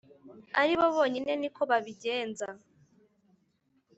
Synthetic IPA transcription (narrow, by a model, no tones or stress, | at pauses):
a̰ɾiβo̞βoːɲine̞nikʰo̞βaβiɟeːnza